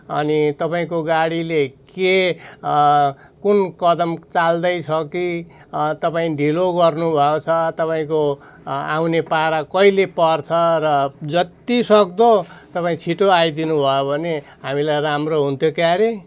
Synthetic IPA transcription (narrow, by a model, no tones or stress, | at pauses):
ʌ̰nit̪ʌpaĩkoɡaɽileke | kunkʌd̪ʌmt͡sald̪ʌjt͡sʰʌkit̪ʌpaĩɖʱiloɡʌrnubʱʌot͡sʰʌt̪ʌpaĩko | a̰wnepaɾakʌilepʌrt͡sʰʌrʌd͡zʌt̪isʌk̚d̪ot̪ʌpaĩt͡sʰiʈoajd̪inubʱʌjobʱʌne | ɦamilajramroɦunt̪ʰjokjaɾe